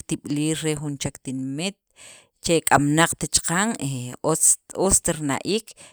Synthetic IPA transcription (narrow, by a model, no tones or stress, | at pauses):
t̪iɓliːɾɾexunt͡ʃakt̪inmit̪̚ | t͡ʃekʼamnaq͡χt̪et͡ʃqaŋeot͡sot͡st̪aɾna̰ʔiːk